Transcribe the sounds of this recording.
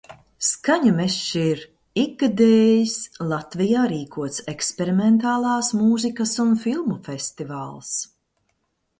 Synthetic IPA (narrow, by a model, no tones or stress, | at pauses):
skaɲumɛʃiɾ | iɡ̚ɡad̪eːjislˠat̪vijaːɾiːkʰuɔt̪sɛkspɛɾimɛnt̪aːlˠɑːsmuːzikɐsunfilˠmufɛst̪ivaːlˠs